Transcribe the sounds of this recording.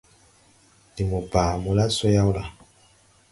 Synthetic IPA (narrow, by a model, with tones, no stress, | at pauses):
di˨mu˨baː˨mũ˦la˦so˦ja˦wla˨